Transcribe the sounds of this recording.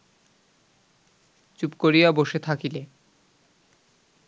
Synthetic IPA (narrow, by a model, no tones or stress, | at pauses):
t͡ɕupkoɾijaboʃet̪ʰakile